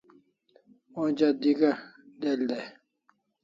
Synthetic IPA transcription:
od͡ʑad̪iɡɐ | d̪eld̪e

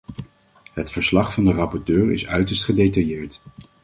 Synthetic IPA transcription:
ɦətfəɹslɑχfɑndərɑpɔɹtøːɹɪsœɥtəɹstχədejtɑjɪːɹt

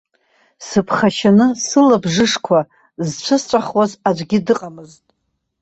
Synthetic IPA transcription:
sɨpʰχaʃanɨsɨlabʐɨʂkʷʰa | zt͡ɕʷʰɨst͡ʃʷʼaχwazad͡ʒʷɡʲɪdɨqʼamɨztʼ

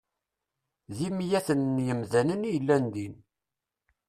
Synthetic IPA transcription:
ðimjæθənːjəmðænənijəlːænd̪in

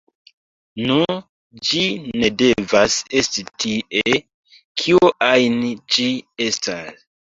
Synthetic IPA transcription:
nu | d͡ʒine̞de̞vase̞stitie | kʰioʔajnid͡ʒie̞stas

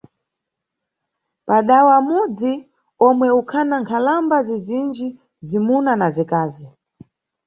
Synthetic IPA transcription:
paɗawamud͡zi | ɔmwɛukʰanaŋkʰalambazizind͡ʒi | zimunanazikaːzi

